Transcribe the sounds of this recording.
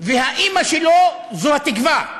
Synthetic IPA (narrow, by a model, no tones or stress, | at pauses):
veɦaʔimaʃelo | zuhat̪ikva